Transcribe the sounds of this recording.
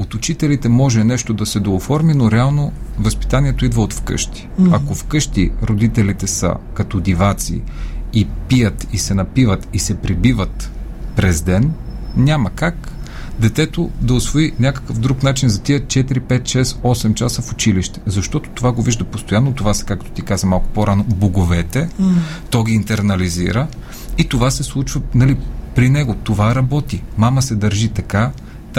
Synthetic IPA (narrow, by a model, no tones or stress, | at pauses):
ot̪ut͡ʃit̪ɛlit̪ɛmɔʒɛnɛʃt̪od̪ɐsɛd̪oofɔɾminoɾɛalˠno | vəspi̥t̪anʲiɛt̪oid̪vəot̪fkɤ̰ʃt̪i̥ɐkofkɤʃt̪iɾod̪it̪ɛlit̪ɛsə̰kɐt̪od̪ivat̪sḭipijət̪isɛnɐpivət̪isɛpɾibivət̪ | pɾɛzd̪ɛnnʲaməkakd̪ɛt̪ɛt̪od̪ɐʊsvoinʲakə̥kəfd̪ɾuknat͡ʃinzɐt̪iət̪t͡ʃɛt̪iɾipɛt̪ʃɛsɔsɛmt͡ʃasəfʊt͡ʃiliʃt̪ɛ̥zɐʃt̪ɔt̪o̥t̪ovaɡoviʒd̪ɐpost̪ojanːot̪ovasɛ̥kak̚t̪o̥t̪ikazɐmalˠkʊ̥poɾʔanoboɡovɛt̪ɛt̪ɔɡʲiːnt̪ɛɾnɐlizḭɾə | it̪ovasɛslˠut͡ʃvənɐlipɾinɛɡot̪ovaɾɐbɔt̪imaməsɛd̪ɐɾʒit̪ɐka